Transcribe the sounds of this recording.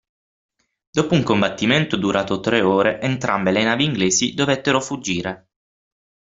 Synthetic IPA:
d̪oːpouŋkombat̪ːiment̪od̪uɾaːt̪ot̪ɾeoːɾeʔent̪ɾʔambelenaːviːŋɡleːsid̪ovɛt̪ːeɾofud͡ʒːiːɾe

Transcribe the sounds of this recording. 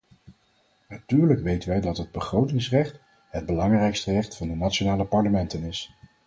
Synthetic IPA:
natyːɹləkʋejtənʋɛjdɑtɦəd̚bəχrowtɪŋsrɛχt | ɦəd̚bəlɑŋrɛjkstərɛχtfɑndənatt͡ʃonaːləpɑɹləmɛntənɪs

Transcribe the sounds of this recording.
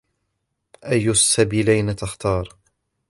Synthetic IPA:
ʔajːʊasːabiːlajnat̪axt̪ɑːɾˤ

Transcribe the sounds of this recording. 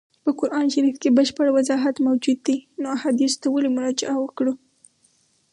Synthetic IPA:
pəkʊɾʔɑnʃaɾifkebəʃpəɽwazɑɦat̪mawd͡ʒud̪ːinoahɑd̪ist̪awalimʊɾɑd͡ʒɪʔawəkɽu

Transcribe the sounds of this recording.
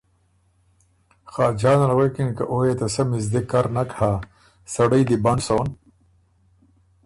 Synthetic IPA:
xaːd͡ʑaːnalwekinkaʔoːjet̪asɐmizd̪ekaɾnakha | sɐɽəjd̪ibaɳsown

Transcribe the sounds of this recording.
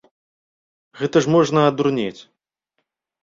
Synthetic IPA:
ɣɛt̪ɐʂmɔʐnɐɐd̪urnʲet͡sʲ

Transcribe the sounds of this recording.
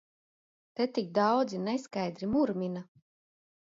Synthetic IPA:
t̪et̪ik̚d̪ɑwd̪zineskajd̪ɾimuɾmʲina

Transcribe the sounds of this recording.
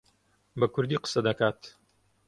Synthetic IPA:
bɐkʰʊɾd̪iːqə̥sɐd̪ɐkaːt̪

